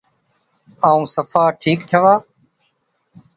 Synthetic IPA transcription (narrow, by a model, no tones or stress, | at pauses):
aːũːsəfaːʈʰiːkt͡ʃ̪ʰəʋaː